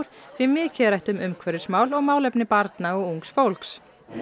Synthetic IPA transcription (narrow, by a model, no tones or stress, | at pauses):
ɾ̥θvimɪːcʰɛɾajht̪ʏmʏmkʰvɛɾɪ̥smaːwlɔɣmaːwlɛpnɪpaɾt̪naɔɣuŋksfowlks